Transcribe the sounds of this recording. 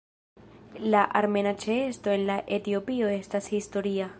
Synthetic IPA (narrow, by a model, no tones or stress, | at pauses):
laʔaɾme̞nat͡ʃeesto̞e̞nlaʔe̞tio̞pio̞e̞stashisto̞ɾia